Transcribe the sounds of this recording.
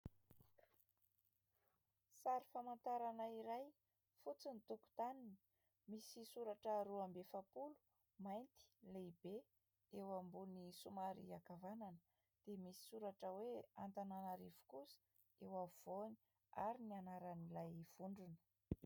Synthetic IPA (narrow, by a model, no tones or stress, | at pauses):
saɾifamant̪aɾanaiɾaj | fut͡sinit̪uku̥t̪anini̥i̥ | misisuɾaʈ͡ʂəɾuambefapulu̥ | majnt̪i̥lejbe | ewambunisumaɾḭakavanan | d̪̥emisi̥suɾaʈ͡ʂəwea̰nt̪ananaɾivu̥kusə̥ | ewav̥oni̥ | aɾinianaɾanilajv̥uɳɖ͡ʐunə̥